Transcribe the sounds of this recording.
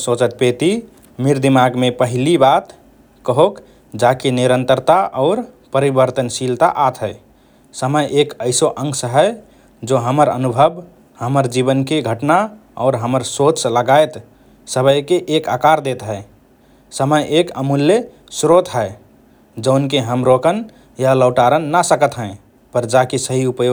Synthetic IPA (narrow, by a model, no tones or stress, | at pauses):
sot͡ʃət̪̚pet̪i | miɾd̪imaɡmepəɦilibat̪ | kəɦok | d͡ʒakeniɾənt̪əɾt̪aʔɔːɾ | pəɾibəɾt̪ənʃilt̪a̰ʔat̪ɦəɪ | səməjʔekəɪsoʔə̃ŋɡsəɦəj | d͡ʒoɦəməɾə̰nubʱəb | həməɾd͡ʒibənkeɡʱəʈnaɔ̰ːɾɦəməɾsot͡ʃləɡaet̪ | səbəjkeʔekakaɾd̪et̪ɦɛe | səməjʔekəmulje | sɾot̪ɦəe | d͡ʒəʊnkeɦəmɾokən | jaləʊʈaɾənːasəkət̪ɦɛ̃ | pəɾd͡ʒakisəɦiupjo